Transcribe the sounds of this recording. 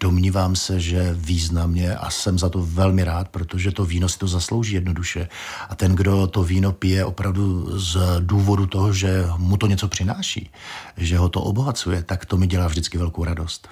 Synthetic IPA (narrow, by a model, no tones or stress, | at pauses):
d̥o̞mɲiːvaːmsɛʒɛviːznamɲɛʔa̰sɛmzat̪ovɛlmɪɾaːt̪̚pɾot̪o̞ʒɛt̪oviːnosɪ̥t̪ozaslo̞wʒiːjɛdno̞duʃɛ | ʔat̪ɛnɡdo̞t̪o̞viːnopɪjɛʔo̞pɾavduzduːvo̞dut̪o̞ɦoʒɛmut̪oɲɛt͡so̞pr̥ɪnaːʃḭː | ʒɛɦo̞t̪o̰ʔobo̞ɦat͡sujɛt̪akt̪o̞mɪɟɛlaːvʒdɪt͡skɪvɛlko̞wɾado̞st̪